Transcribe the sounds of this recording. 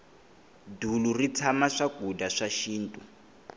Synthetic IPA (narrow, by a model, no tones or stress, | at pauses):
dulurit͡sʰamaʂaɡʱudaʂaʃiːntʼu